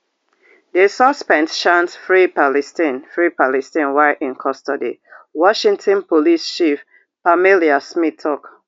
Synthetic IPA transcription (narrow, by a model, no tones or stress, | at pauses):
desɔspɛ̃nsʃãntfɹipalɛstĩnfɹipalɛstĩnwaɪʔĩnkʰɔstɔdḭwɔʃĩŋtʰɔ̃npolist͡ʃif | pamiliasmitʰːɔk